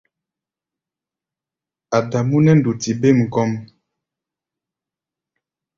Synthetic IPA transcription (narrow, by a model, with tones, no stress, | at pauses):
a˨da˨mu˦nɛ˦n̩˨du˨ti˨be˦˨m̩˨kɔ˦m